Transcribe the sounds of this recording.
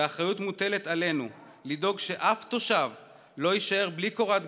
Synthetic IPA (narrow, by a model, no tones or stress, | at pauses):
aχʁajutmute̞let̪ale̞nu | lido̞ɡʃe̞ʔaft̪o̞ʃav | lo̞jiʃae̞ʁbliko̞ʁat̪